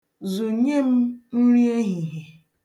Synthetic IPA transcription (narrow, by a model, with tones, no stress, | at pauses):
zo˨ɲe˦m̩˦n̩˦ɾi˦e˦ɦi˨ɦe˨